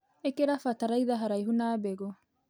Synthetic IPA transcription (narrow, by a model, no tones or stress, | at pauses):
ekeɾafataɾaiðaɦaɾaiɦunaːbɛɣɔ